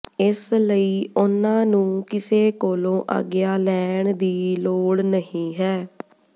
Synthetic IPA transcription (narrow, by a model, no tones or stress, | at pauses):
ɪsləiːʔʊnãːnũːkɪseːkoːlõːʔə̰ɡjaːlɛːɳd̪iːloːɽnəɦĩːɦɛː